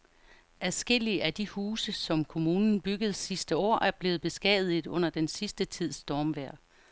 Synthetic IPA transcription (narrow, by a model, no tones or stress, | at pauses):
æðˠsɡ̥e̝l̰iəʔæd̥ihuːsəsɒ̽mkʰo̝muːnn̩b̥yɡ̥əð̞̩ˠsisd̥əɒ̰ːʔæɐb̥le̝ːð̩ˠb̥e̝sɡ̥ɛ̰ð̩ˠið̩ˠɔ̽n̰ɐd̥ensisd̥ət͡sʰið̞̰ˠsd̥ɒːmʋæɐ̰